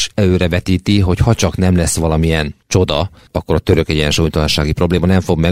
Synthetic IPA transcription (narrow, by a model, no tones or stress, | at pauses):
ʃɛløːɾɛvɛt̪iːt̪iɦo̞chɒt͡ʃɒkn̪ɛmlɛsːʋɒlɒmiɛnt͡ʃo̞d̪ɒ | ɒkːo̞ɾɒt̪ø̞ɾøkɛɟɛnʃuːjt̪ɒlɒnʃaːɡipro̞bleːmɒnɛɱfo̞ɡmɛ